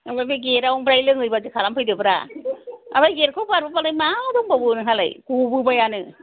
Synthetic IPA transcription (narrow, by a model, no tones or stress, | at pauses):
abajbaɡeɾawɔŋbɾajlɯŋɯjbazɯkʰalampʰɯjdɯbɯɾa̰ | a̰bajɡeɾkʰɯwbɯaɾbapalajmadɔŋbabɯnɯɦala̰jkubɯbajanɯ